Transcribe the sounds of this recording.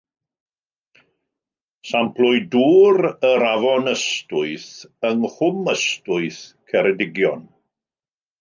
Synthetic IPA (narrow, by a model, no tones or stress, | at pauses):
sampʰlʊɨduːɾəɾavɔnəstʊɨθəŋhʊməstʊɨθkʰɛɾɛdɪɡjɔn